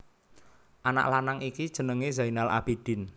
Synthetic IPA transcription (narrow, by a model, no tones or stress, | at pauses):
ʔana̰ʔlanaŋikid̥ʒ̥ə̤nəŋezainalʔa̰b̥id̪̥ɪ̤n